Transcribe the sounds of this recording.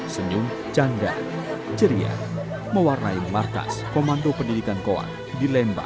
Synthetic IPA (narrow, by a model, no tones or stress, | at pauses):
səɲuŋ | t͡ʃanda̰d͡ʒəɾia̰ | məwarnainmarka̰skomant̪opəndidikankoa̰n | dilɛmba̰